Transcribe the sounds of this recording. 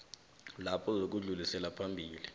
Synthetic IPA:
lapʰɔzok̬uɮulisɛlapʰambʱiːli

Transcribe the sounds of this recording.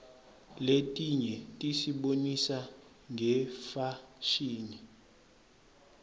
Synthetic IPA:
letʼiɲɛtʼisiɓonisa | ŋʱɛfaʃiːni

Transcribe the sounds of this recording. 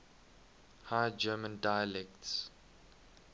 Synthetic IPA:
hajd͡ʒɛːmə̃ndajəlɛkts

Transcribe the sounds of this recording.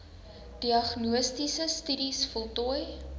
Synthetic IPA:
d̥iɐχnuəstisəstydisfɔlˠtuəj

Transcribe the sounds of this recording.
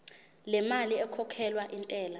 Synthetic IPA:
lɛmaliɛkʰɔkʰɛlwaʔintʼɛːla

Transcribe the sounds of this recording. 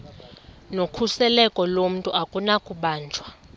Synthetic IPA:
nokʰusɛlɛkʼɔlom̩tʼuakʼunakʼuɓaːnd͡ʒʱwa

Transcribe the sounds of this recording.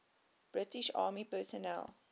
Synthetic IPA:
b̥ɹɪtiʃɑ̰ːmipɛːsɔnɛ̰l

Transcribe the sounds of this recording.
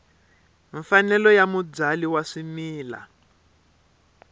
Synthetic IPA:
ɱfanɛlɔjamud͡zaliwaʂimiːla̰

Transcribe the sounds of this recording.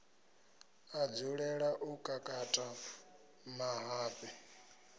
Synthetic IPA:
ad͡zuɺɛɺaʔukʼakʼatʼa | maɦaːɸʼɛ

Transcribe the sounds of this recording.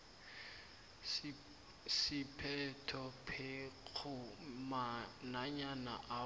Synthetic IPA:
sɪpʰɛtʰɔpʰek͡xʰʊmanaɲana̰ʔa

